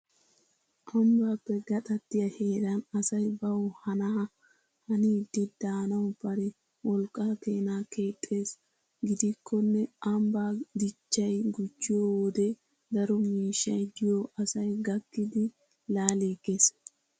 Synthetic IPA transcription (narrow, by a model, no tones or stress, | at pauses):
ʔɐmbaːpːɛɡɐt̪ʼɐt̪ːɪjɐhe̞ːɾɐnɐsɐjbɐwɔhɐnɐɐ | hɐniːd̪ːɪd̪aːnɐʊbɐɾɛ | wɔlkʼːaːkeːnaːke̞ːt̪ʼːe̞ːs | ɡɪd̪ɪkʰːɔnːɛɐmbaːd̪ɪt͡ʃːɐjɡʊt͡ʃːɪjowoːd̪ɛ | d̪ɐɾɔmiːʃːɐjd̪ɪjoʔɐsɐjɡɐkːɪd̪ɪ | laːliːɡe̞ːs